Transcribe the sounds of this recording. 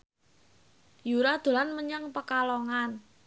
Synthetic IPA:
juɾad̪̥o̤lanməɲaŋpəkalɔŋan

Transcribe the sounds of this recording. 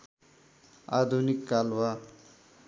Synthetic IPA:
ad̪ʱunikːalwa

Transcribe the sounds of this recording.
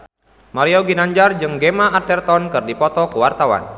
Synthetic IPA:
maɾiɔɡinaɲd͡ʒard͡ʒɨŋɡemaːrt̪ɛrt̪ɔnkɨrdipɔt̪ɔkəwart̪awa̰n

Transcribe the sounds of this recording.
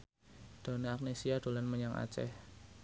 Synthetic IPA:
d̪̥o̤naak̚nesiad̥o̤lanməɲaŋʔa̰t͡ʃɛ̰h

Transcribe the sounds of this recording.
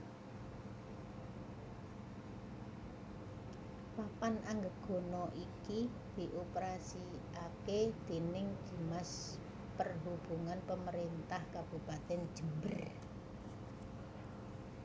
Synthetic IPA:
papanʔaŋɡəɡ̥ɔ̤nɔʔiki | d̪̥i̤ʔopəɾasi | aked̪̥e̤nɪŋd͡ʒ̥i̤mas | pərɦub̥uŋanpəməɾent̪ahkab̥ṳpat̪ɛn̥ʒ̥ə̤mbər

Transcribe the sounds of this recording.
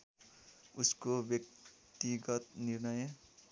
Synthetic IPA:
uskobjʌk̚t̪iɡʌt̪nirnʌj

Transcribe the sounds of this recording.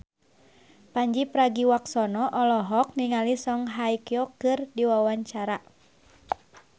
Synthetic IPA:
paɲd͡ʒipɾaɡiwaksɔnɔʔɔlɔɦɔk̚niŋalisɔŋɦajkjɔkɨrdiwawaɲt͡ʃaɾa

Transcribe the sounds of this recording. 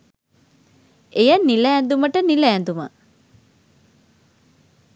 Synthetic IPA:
ejənːilæːnd̪uməʈənilæːnd̪umə

